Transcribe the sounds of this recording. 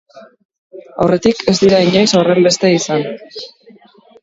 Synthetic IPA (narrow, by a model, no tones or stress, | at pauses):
a̰wre̞t̪ike̞zd̪iɾaiɲajsore̞mbe̞st̪e̞isan